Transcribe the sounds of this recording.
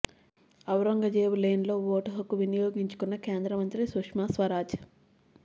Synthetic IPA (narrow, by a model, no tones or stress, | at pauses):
ɐwɾɐŋɡɐd͡ʒeːwuleːnlo̞ːʋoːʈɐɦɐkuʋinijoːɡiɲt͡ʃu̥kunːɐke̞ːnd̪ɾɐmɐnt̪ɾisukʂmaːsʋɐɾaːt͡ʃ